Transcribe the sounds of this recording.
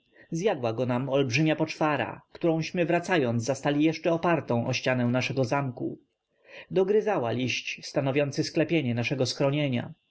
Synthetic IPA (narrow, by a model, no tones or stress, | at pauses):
zjad̪waɡɔnamɔlbʐɘmʲjapɔt͡ʂfaɾa̰kt̪uɾɔ̃w̃ɕmɘvɾat̪sajɔnd̪zast̪alʲijɛʂt͡ʂɛɔpaɾt̪ɔ̃w̃ʔɔɕt͡ɕanɛw̃naʂɛɡɔzamkṵ | d̪ɔɡɾɘzawalʲiɕt͡ɕst̪anɔvʲjɔnt̪sɘsklɛpʲjeɲɛnaʂɛɡɔsxɾɔɲeɲa̰